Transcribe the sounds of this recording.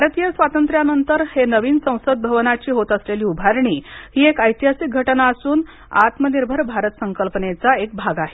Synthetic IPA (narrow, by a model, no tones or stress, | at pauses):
bʱaɾt̪ijəsʋat̪ənt̪ɾjanənt̪əɾhenəʋiːnsə̃w̃səd̪̚bʱəʋnat͡ɕiːɦot̪əsleliːubʱaɾɳiːhiːekəjt̪iɦasik̚ɡʱəʈnaəsuːn | a̰t̪məniɾbʱəɾbʱaɾət̪səŋkəlpənet͡saek̚bʱaɡaɦe